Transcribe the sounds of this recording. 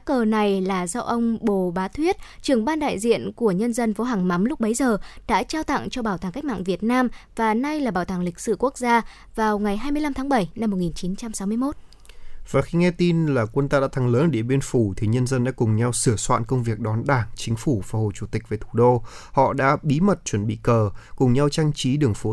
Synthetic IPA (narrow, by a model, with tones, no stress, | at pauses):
kəː˨˩na˨˩jlaː˨˩za˧wʔə˧wŋ͡mɓo˨˩ɓaː˨˦t̪ʰwi˦˥ət̚t͡ɕɨ˨˩əŋɓaː˧nɗa̰ː˧˨jzḭ˧˨ənku˧˩əɲə˧nzə˧nfɔ˨˦ɦaː˨˩ŋma˨˦mlʊ˦˥k͡p̚ɓə˨˦jzəː˨˩ɗa̰ː˧˥t͡ɕaː˧wt̪a̰˧˨ŋt͡ɕɔ˧ɓaː˧˩t̪aː˨˩ŋka˦˥k̟̚ma̰ː˧˨ŋvi˨˩ət̚naː˧mvaː˨˩na˧jlaː˨˩ɓaː˨˩wt̪aː˧˩ŋlï˨˩k̚sɨ̰˧˩ku˦˥ək̚zaː˧ | vaː˨˩wŋa˨˩jɦaː˧jmɨ˧əjla˧mt̪ʰaː˨˦ŋɓə˧˩jna˧mo˨˩ŋi˨˩nt͡ɕi˨˦nt͡ɕa˧msa˨˦wmɨ˧əjmo˦˥t̚ | v̥aː˨˩xi˧ŋɛ˧t̪i˧nlaː˨˩kwə˧nt̪aː˧ɗa̰ː˧˥t̪ʰa˨˦ŋləː˨˦nʔɗḭ˧˩əɓi˧ənfu˧˩t̪ʰi˨˩ɲə˧nzə˧nɗa̰ː˧˥kʊ˨˩ŋ͡mɲa˧wsɨ˧˩əswa̰ː˧˨nkə˧wŋ͡mvi˨˩ək̚ɗɔ˨˦nɗaː˧˩ŋt͡ɕï˨˦ŋ̟fu˧˩vaː˨˩ho̰˧˨t͡ɕu˧˩t̪ï˨˩k̚ve˨˩t̪ʰu˧˩ɗo˧hɔ̰˧˨ɗa̰ː˧˥ɓi˨˦mə˨˩t̚t͡ɕwə˧˩nɓḭ˧˨kəː˨˩kʊ˨˩ŋ͡mɲa˧wt͡ɕa˧ŋt͡ɕi˨˦ɗɨ˨˩əŋfo˨˦